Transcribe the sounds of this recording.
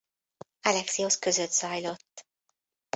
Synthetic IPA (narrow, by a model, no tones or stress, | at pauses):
ɒlɛksioskø̞zøt̪z̥ɒjlo̞t̪ː